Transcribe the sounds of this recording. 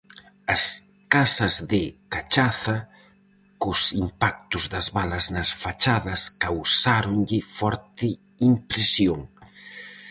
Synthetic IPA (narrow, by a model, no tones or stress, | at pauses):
ɐs | kasɐzðɪkat͡ʃaθɐ | kʊsimpak̚t̪ʊzðɐzβalɐznɐsfat͡ʃaðɐskawsaɾʊŋʎɪfɔɾt̪ɪ | impɾesjoŋ